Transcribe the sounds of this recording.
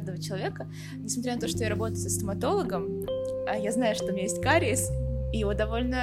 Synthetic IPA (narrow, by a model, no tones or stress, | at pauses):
d̪əvət͡ɕɪlˠɐvʲe̞kə | nʲɪsmɐt̪ɾʲant̪o̞ʂt̪ojaɾɐbo̞t̪əjʊsəst̪əmɐt̪o̞lˠəɡəməjaznajʊʂt̪omɲʲajesʲt̚ʲkaɾʲɪɪsijɪvod̪ɐvo̞lʲnə